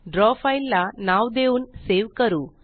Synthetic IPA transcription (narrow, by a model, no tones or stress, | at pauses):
ɖɾɔːfɐilːɐnaːwd̪eːwunseːʋkɐɾu